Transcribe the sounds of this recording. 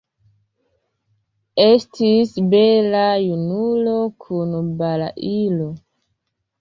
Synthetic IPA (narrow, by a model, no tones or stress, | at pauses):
e̞stisbe̞lajunulo̞kʰunbala̰ʔilo